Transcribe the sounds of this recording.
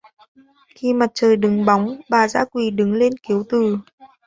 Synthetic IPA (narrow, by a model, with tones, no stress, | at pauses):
xi˧ma˨˩t̚t͡ɕəː˨˩jɗɨ˨˦ŋɓa˨˦wŋ͡mɓaː˨˩za̰ː˧˥kwi˨˩ɗɨ˨˦ŋle˧nki˨˦əwt̪ɨ˨˩